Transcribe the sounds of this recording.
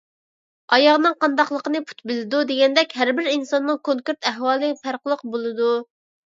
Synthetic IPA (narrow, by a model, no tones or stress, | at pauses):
ɑjɑʁnɨŋqʰɑnd̪ɑqlˠəqənɨpʰu̥t̪̚bɪlɪd̪ud̪eɡʲɛnd̪ɛkʲɦæɾbɪɾinsɑnːɨŋkʰoŋkʲeɾt̪æɦwɑːlˠɨfæɾqəlˠəq̚bolˠɨd̪u